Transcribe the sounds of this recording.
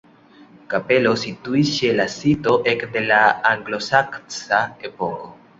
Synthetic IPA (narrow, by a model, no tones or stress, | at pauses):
kape̞lo̞situiʃelasitoʔekd̪e̞laːŋɡlo̞sakt͡saepoko